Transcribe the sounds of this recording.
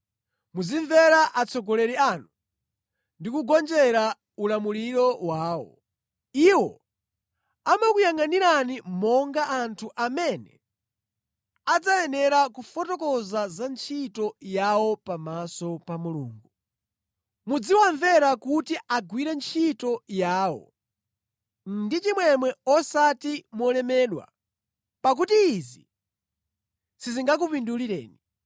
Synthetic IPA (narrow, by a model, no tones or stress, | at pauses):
muziɱvɛɾaʔat͡sʰɔɡɔlɛɾianu | ndikuɡɔnd͡ʒɛɾa | ulamuɾiɾɔwaːwɔ̰ | iwɔ | amakujaŋaniɾanimɔŋɡaʔantʰuʔamɛnɛ̰ | ad͡zajɛnɛɾakufɔtɔkɔzazant͡ʃʰitɔjawɔpamasɔpamulṵːŋɡu | mud͡ziwaɱvɛɾakutiʔaɡwiɾɛnt͡ʃʰitɔjaːwɔ̰ | nndit͡ʃimwɛmwɛɔsatimɔlɛmɛːɗwa̰ | pak̬utiːzḭ | siziŋɡak̬upinduliɾɛ̰ːni